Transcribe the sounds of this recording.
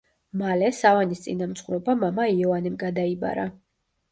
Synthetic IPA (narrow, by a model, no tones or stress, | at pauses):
malɛsavanist̪sʼinamt̪sʰχuɾɔbamamaiɔvanɛmɡad̪aiba̰ɾa